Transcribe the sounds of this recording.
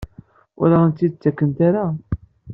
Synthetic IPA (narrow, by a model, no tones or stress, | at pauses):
ʊ̰ɾaənt̪ːid̪̚t͡sːækːənt̪aɾa